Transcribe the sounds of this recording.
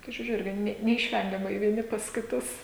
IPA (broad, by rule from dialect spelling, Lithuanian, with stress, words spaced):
kɐɪ ʒʲʊˈrʲʊ ˈɪrʲɡʲɪ ˈnʲɛ nʲɛɪʃʲˈʋʲɛŋʲɡʲɛmɐɪ ʋʲiɛˈnʲɪ pɐs kʲɪˈtʊs